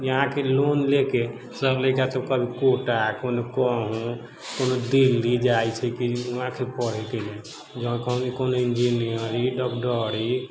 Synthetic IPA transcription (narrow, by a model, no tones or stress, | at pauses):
jəɦãkelonleke | səbləjkat̪əbkəbʱikoʈakonokɔɦũ | konod̪ilːid͡ʒajt͡ʃʰɛkiuɦãkʰepəɽ̤ɛt̪inɛ̃ | d͡ʒəɦkəɦũnikonoind͡ʒinijəɾiɖɔkɖəɽi